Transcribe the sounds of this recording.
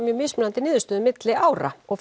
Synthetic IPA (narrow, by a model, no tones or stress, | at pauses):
mjœːmɪːsmɪnant̪ɪniːðʏst̪ʏːðʏmɪt̪lɪʔaːwɾa̰ɔɣf